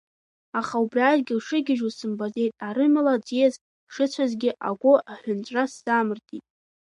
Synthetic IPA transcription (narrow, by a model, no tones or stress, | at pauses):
aχaubrʲiaːzɡʲɪlʂɨɡʲɪʒusɨmbaze̞jtʼaɾɨmalad͡zijez | ʂɨt͡ɕʷʰazɡʲɪʔaɡʷʊaħʷᶣʊnt͡ɕʷʼrasːamɨrtʰitʼ